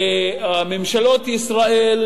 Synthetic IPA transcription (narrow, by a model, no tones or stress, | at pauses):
memʃalot̪isɾaʔel